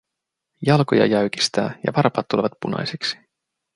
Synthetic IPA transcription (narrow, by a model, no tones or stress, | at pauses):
jɑlko̞jɑ̰jæɥk̟i̥st̪æ̰ːjɑ̰ʋɑɾpɑːt̪ːuleʋɑt̪punɑ̰jseksi̥